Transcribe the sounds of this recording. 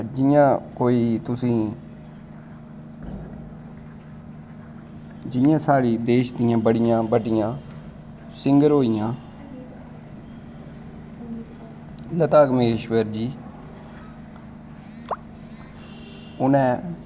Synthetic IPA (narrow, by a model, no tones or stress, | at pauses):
d͡ʒɪjãːkoːiːt̪ʊsĩː | d͡ʒɪjãːsaːɽiːd̪eːʃd̪ɪjãːbəɽɪjãːbəɖɪjãː | sɪ̃ŋɡəɾɦoːijãː | lət̪aːkmeːʃʋəɾd͡ʒiː | ʊnɛ̃ː